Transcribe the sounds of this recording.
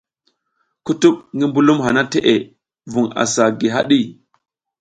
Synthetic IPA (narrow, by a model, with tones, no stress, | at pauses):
ku˦tu˦k̚ŋi˦mbu˦lu˦mɦa˨na˦te˦ʔe˨ | vu˨ŋa̰˨sa˨ɡi˨ɦa̰˦ɗi˦˨